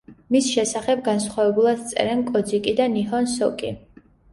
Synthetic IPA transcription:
misʃɛsaχɛb̚ɡansχwavɛbulˠad̪t̪sʼɛ̰ɾɛnkʼɔd̪zikʼid̪aniɦɔnsɔkʼḭ

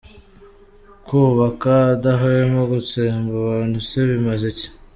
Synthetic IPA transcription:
kuːβakadaɦojemoɡut͡sembaβaːnuseβimazece̥

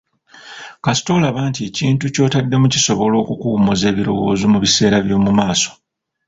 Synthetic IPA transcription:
kasi̥to̞laβaːntie̞ciːntuco̞ːtadːe̞muciso̞βo̞lo̞ːkukuːmuze̞ːβiɾo̞̰wo̞ːzomuβise̞ːɾaβjo̞ːmumaːso̥

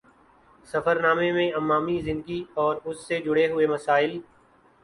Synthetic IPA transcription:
sɐfəɾnaːmẽmẽɐmːaːmizɪ̃nd̪əɡiɔːɾʊsːed͡ʒʊɽeɦʊemɐsaːɪl

